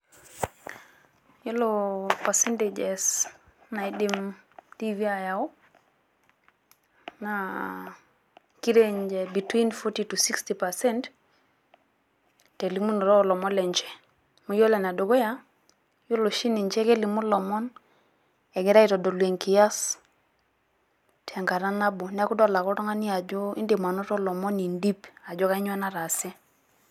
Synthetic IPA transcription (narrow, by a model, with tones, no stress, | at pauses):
ju˦lopa˨sɛnted͡ʒesna˨i˨di˦mtivi˦a˨jawu˦ | na | ki˦ɾeɲd͡ʒe˨bi˨twinfɔtitusi˦kstipa˨sɛ˦nt | te˨li˨mu˦nɔ˨ɾɔ˦˨lɔ˨mɔ˦lɛ˨ɲt͡ʃɛ̥˨ | mu˨˦jɔ˦lɛ˨n˨a˨do˨ɡɔ˦ja˦ | ju˦lo˨ʃi˦ni˨ɲt͡ʃɛ˦ke˦li˨mu˦lɔ˨mɔ˦n | ɛ˨ɡɛ˨ɾa˦i˨tɔ˨dɔ˨lwe˨ŋki˨ja˦s | tʰɛ˨ŋka˨ɾa˦na˦bo˨n˦a˦kʊ˦dɔ˦la˨kɔ˦ɾɔ˦ŋa˦ni˦a˨d͡ʒɔ˦ḭ˦ndi˨ma˨nɔ˦tɔ˦lɔ˨mɔ˦ni˨ndi˦pa˨d͡ʒɔ˦ka˦i˦ɲwa˦na˦ɾa˨sɪ˦